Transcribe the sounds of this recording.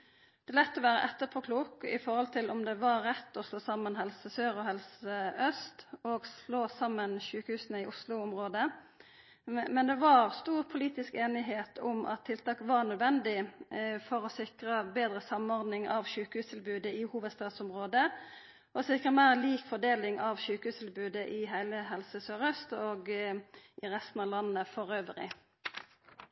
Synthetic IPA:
d̪̥ɛlɛt̪ːɔʋæːʁəʔɛt̪ːəpʰɔkʰluːkɪ̰fɔɾʁhɔlt̪ʰɪlʔʊmd̪ɛʋɑːɛt̪ːʊslʊsɑmːənɦɛlsəsøːɾɔhɛlsəœst̪ɔɡsloːsɑmːənʃʉːkəhʉːsənəɪʔʊslʊʊmʁoːd̪ə | mɛnd̪ɛʋɑʁst̪uːʁpʰʊliːt̪ɪskeːnɪɦeːt̪ʰʊmʔɑ̰t̪ʰːɪlt̪ɑːkʋɑʁnœd̪ʋɛnd̪ɪfɔʁɔsɪkʁəbeːd̪ʁəsɑmɔʁd̪nɪŋɑʋʃʉːkəhʉːst̪ʰɪlbʉːd̪əɪhuːʋəd̪st̪ɑːd̪sʊmʁoːd̪ə | ʔɔsɪkʁəmæːʁliːkfɔʁd̪eːlɪŋʔɑʋʃʉːkhʉːst̪ʰɪlbʉːd̪əʔɪɦæɪləɦɛlsəsœʁœst̪oːɡ | ɪʁɛst̪n̩ɑʋlɑnːəfɔʁøːʋəɾɪ̰

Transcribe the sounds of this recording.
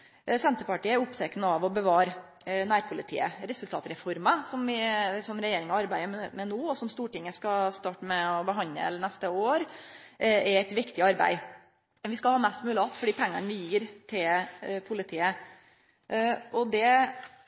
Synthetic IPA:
sɛnt̪əpɑʈiːəɛʊpt̪ʰɛknəɑʋɔbəʋɑːɾnæːɾpʰʊlɪt̪ʰḭːə̰ɾɛsʉlt̪ʰɑːt̪ɾɛfɔɾməsɔmʋɪsɔmɾɛjeːɾɪŋɑɑɾbæɪəɾmɛnuːɔsɔmst̪uːʈɪŋːəskɑst̪ɑːʈəmɛɔbəɦɑnə̰lnɛst̪əoːɾ | ɛæɪt̪ʋɪkt̪ɪɑɾbæ̰ɪ | mʋɪskɑhɑːmɛst̪mʉːlɪɑt̪ːfɔɖiːpʰɛŋːɑnʋɪjiːɾt̪ʰɪlpʰʊlɪt̪ʰiːə | ʔɔd̪ɛ

